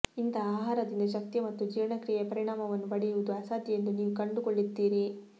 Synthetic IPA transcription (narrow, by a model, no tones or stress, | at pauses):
int̪ʰɐaːɦaːɾɐd̪ind̪ɐʃ̬ɐk̚t̪iɐmɐt̪ːud͡ʒiːʋɐɳɐkɾiːjɛpɐɾiɳaːmɐʋɐnːuʋɐɽijuʋud̪uɐsaːd̪jjend̪uniːʋukɐɳɖukoɭːid̪ːiːɾi